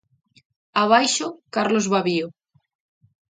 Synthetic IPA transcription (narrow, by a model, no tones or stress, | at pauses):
aβ̞ajʃokaɾlozβaβio